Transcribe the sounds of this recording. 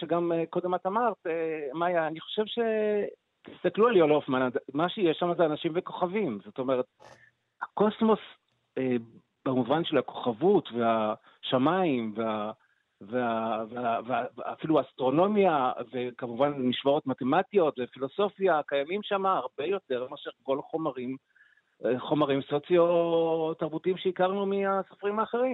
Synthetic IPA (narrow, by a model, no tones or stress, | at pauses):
ʃeɡameko̞d̪e̞mat̪amaʁt̪emajaːniχo̞̥ʃe̞vʃe̞ | t̪ist̪aklualiolofmalad̪maʃejeʃamazeanaʃimve̞ko̞χavimzo̞t̪o̞me̞ʁet̪̚ | hako̞smo̞s | e | b̥emuvanʃe̞lhako̞̥χavutve̞a | ʃamaimvea | veaveavea̰ːfiluaːst̪ʁo̞no̞mjave̞kamuvanmiʃvoʁo̞tmate̞matijo̞tvefilo̞so̞fjakajamimʃamaːʁbejo̞te̞ʁmeaʃeʁko̞lχomaʁim | χo̞maʁimsot͡sjotaʁbutimʃeikaʁnumiasofʁimaːχe̞ʁim